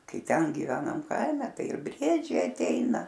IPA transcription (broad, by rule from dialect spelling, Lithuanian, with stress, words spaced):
ˈkɐɪ ˈtʲɛn ɡʲɪˈʋʲæːnɐm ˈkɐɪmʲɛ ˈtɐɪ ɪr ˈbʲrʲiɛd͡ʒʲɛɪ ɐtʲˈɛɪnɐ